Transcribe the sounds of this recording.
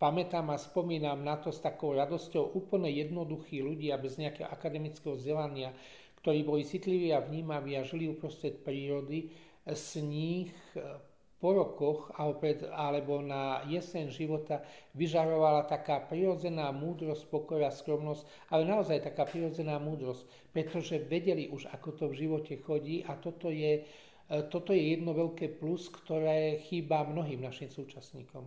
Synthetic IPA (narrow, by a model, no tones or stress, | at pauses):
pamɛt̪aːmaspɔmiːnamnat̪ɔst̪akɔʊɾad̪ɔscɔʊʔuːpl̩ɲɛjɛd̪nɔd̪uxiːluɟɪabɛzɲɛakɛɦɔ̰ʔakad̪ɛmit͡skɛɦɔzɟɛlaɲɪa | kt̪ɔɾiːbɔlit͡sit̪liʋiːaʋɲiːmaʋiːaʒiliupɾɔst̪ɾɛt̪pɾiːɾɔd̪i | sɲiːx | pɔɾɔkɔxaɔpɾɛt̪alɛbɔnajɛsɛnʒiʋɔt̪aʋiʒaɾɔʋalat̪akaːpɾiɾɔd͡zɛnaːmuːd̪ɾɔsc̚pɔkɔɾaːskɾɔmnɔsc | alɛnaɔzajt̪akaːpɾiɾɔd͡zɛnaːmuːd̪ɾɔsc̚ | pɾɛt̪ɔʒɛʋɛɟɛliʔuʒakɔt̪ɔvʒiʋɔcɛxɔɟiːʔat̪ɔt̪ɔjɛ | t̪ɔt̪ɔjɛjɛd̪nɔʋɛʎkɛːpluskt̪ɔɾɛːxiːbamnɔɦiːmnaʃiːmsuːt͡ʃasɲiːkɔm